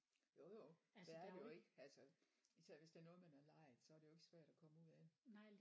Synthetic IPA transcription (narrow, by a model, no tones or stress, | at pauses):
jojoʋæɐd̥ejoe̝ɡ̥əælsə | isʰɛʋesd̥e̝ɐnɔ̽ːð̞̩ˠmænæɐlɑ̈ɪ̰ð̩ˠsɒ̽æɐɾ̥ejo̝e̝ɡ̥əsʋæɐ̰ɾ̥ɒkʰɒ̽məuð̰ˠædenɑ